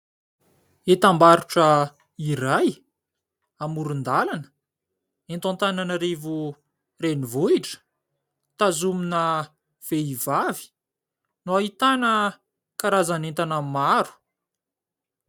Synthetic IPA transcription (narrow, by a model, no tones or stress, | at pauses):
et̪ambaɾuʈ͡ʂə | iɾaj | amuɾund̪alanə̥ | ent̪ãnt̪ananəɾevu | renivuiʈ͡ʂə̥ | t̪azuminə | v̥eivavi̥ | nuaɦit̪anə | kaɾazanent̪anamaɾu̥